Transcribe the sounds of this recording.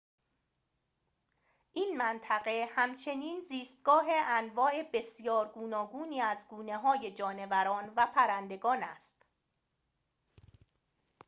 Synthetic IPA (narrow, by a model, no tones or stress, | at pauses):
ʔiːnmænt̪ʰæɣe̞hæmt͡ʃʰe̞niːnziːst̪̚ɡɒːɦe̞ʔænvɒːe̞be̞sjɒːɾɡuːnɒːɡuːniːæzɡuːne̞ɦɒːje̞d͡ʒɒːne̞væɾɒːnvæpʰæɾænd̪e̞ɡɒːnæst̪